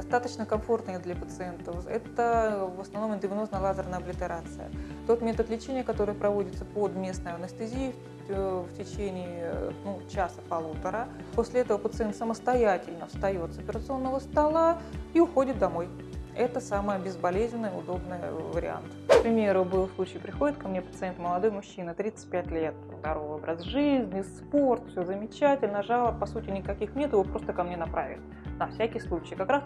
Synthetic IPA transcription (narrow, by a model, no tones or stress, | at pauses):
d̪ɐst̪at̪ət͡ɕnəkɐɱfo̞rt̪nɨjəd̪lʲɐpət̪sɨɛnt̪əfɛ̰t̪əvəsnɐvno̞mɪd̪ʲɪvʲnoznəjlˠazərnəɐblʲɪt̪ɨɾat̪sɨ̰jə̰ | t̪o̞t̪mʲe̞t̪ət̪lʲɪt͡ɕenʲɪjəkɐt̪o̞ɾɨjəpɾɐvo̞dʲɪt̪səpo̞d̪mʲe̞snəjəɐnəst̪ɨzʲijə | ftʲɪt͡ɕenʲɪːnut͡ɕasə̥pɐlˠut̪əɾə | posʲlʲɪɛt̪əvəpət̪sɨɛnt̪səməst̪ɐjatʲɪlʲnəfst̪ɐjo̞t̪sɐpʲɪɾət̪sɨo̞nːəvəst̪ɐlˠaiʊxo̞dʲɪt̪̚d̪ɐmo̞j | ɛt̪əsaməjəbʲɪzbɐlʲezʲnʲɪnːəjʊ̰d̪o̞bnɨjə̰vəɾʲɪ̰a̰nt̪kpɾʲɪmʲe̞ɾʊbɨlˠslˠut͡ɕɪːjpɾʲɪxo̞dʲɪt̪kɐmnʲepət̪sɨɛnt̪məlˠɐd̪o̞jmʊɕːinət̪ɾʲit̪sɨ̥t̚ʲpʲætʲlʲe̞t̪̚zd̪ɐɾovobɾəsʐɨzʲnʲɪspo̞rt̪fsʲozəmʲɪt͡ɕætʲɪlʲnəʐalˠəpɐsutʲɪnʲɪkɐkʲixnʲet̪jɪvopɾo̞st̪əkɐmnʲe̞nɐpɾa̰vʲɪ̰t̪ | nɐfsʲækʲɪjslˠut͡ɕɪːkɐkɾas